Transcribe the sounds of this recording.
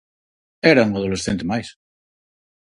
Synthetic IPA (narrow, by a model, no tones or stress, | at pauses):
eɾauŋaðolesθent̪emajs